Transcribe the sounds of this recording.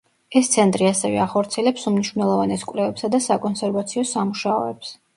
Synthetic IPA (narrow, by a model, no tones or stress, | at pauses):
ɛst̪sʰɛnt̪ʼɾiasɛvɛ̰aχɔɾt̪sʰiɛlɛpsumniʃwvnɛlˠɔvanɛskʼvlɛvɛpsad̪asakʼɔnsɛɾvat̪sʰiɔsamuʃaɔɛps